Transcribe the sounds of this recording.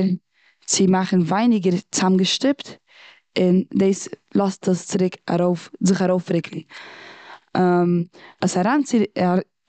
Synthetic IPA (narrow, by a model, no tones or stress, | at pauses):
ɾn | t͡sɪmaχn̩vaɪnɪɡəɾt͡samɡəʃtɪpt | ɪndeɪslˠɔstʰəst͡sɪɾɪka̰ɾoʊfzɪχaɾoʊfɾɪkʰlˠɪ | əsaɾaːnt͡sɪa